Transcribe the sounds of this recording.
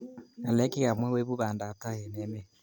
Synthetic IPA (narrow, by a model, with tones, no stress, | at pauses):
a˨lɛ˦ki˦ɣa˨mwɛ˦we˦βu˦βa˨nda˨ta˦jɛ˨nɛ˨˦mɛ˦˨